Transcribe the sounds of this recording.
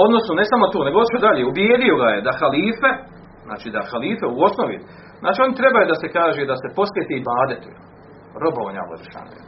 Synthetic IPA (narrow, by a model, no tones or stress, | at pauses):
od̪no̞snone̞samo̞t̪oːne̞ɡot̪iʃod̪aʎeːubjeːd̪io̞ɡajed̪axaliːfe | zna̰ːt͡ʃiːd̪axaliːfeuo̞snoʋḭ | znʔa̰ːt͡ʃio̞nit̪ɾe̞bajud̪ase̞kaːʒeːd̪ase̞po̞sʋʲeːt̪eibaːd̪et̪ujḛl | ɾo̞booɲa̰lo̰d̪ʃa̰n̰jḛ